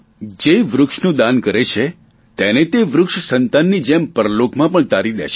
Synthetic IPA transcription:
d͡ʒeʋɾʊkʃnũd̪ankəɾet͡ʃʰe | t̪enet̪eʋɾʊkʃsənt̪anːid͡ʒempəɾlokmãpəɳt̪aɾid̪ḛʃe

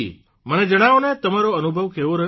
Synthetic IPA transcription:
i | məned͡ʒəɽ̃aʋnet̪əmaɾoənubʱəʋkeʋoɾəɦ

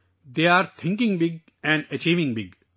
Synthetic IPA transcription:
d̪eːaːɾt̪ʰɪ̃ŋkɪ̃ŋbɪɡ | ɛ̃ɳɖət͡ʃiːʋɪ̃ŋbɪɡ

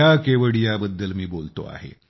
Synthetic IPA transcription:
akeʋəɽijabəd̪ːəlmiːbolt̪o̰a̰ɦḛ

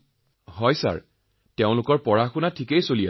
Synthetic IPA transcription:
ɦɔjsa̰ɹ | teʊ̃lʊkɔɹpɔɹaxʊnatʰikejsolija

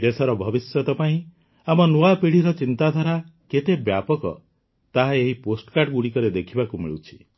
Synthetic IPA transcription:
d̪esɔɾɔbʱɔbisjɔt̪ɔpaĩ | amɔnuapiɽ̤iɾɔt͡ʃint̪ad̪ʱaɾaket̪ebjapɔkɔ̰ | t̪aɦaeɦiposʈkaʈɡuɽikɔɾed̪ekʰibakumḭɭut͡ʃʰi̥

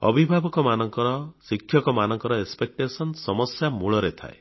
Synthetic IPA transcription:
ɔ̰bʱibʱabɔkɔmanɔŋkɔɾɔsikʰːjɔkɔmanɔŋkɔɾɔespek̚ʈesɔnsɔmɔsjamuɭɔɾet̪ʰa̰e

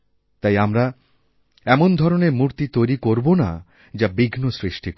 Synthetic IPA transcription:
t̪ajamɾa | ɛmond̪ʱɔɾoneɾmuɾt̪it̪ojɾikoɾbona̰ | d͡ʑabiɡnosɾiʃʈik

